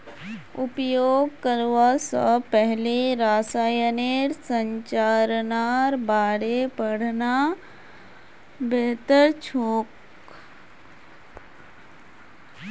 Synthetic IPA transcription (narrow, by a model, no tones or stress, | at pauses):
ʊpjoːɡ̚kəɾʋasəpəɦleɾaːsaːjəneɾsəɲt͡ʃaːɾnaɾbaːɽepəɽna | beːt̪əɾt͡ʃʰoːk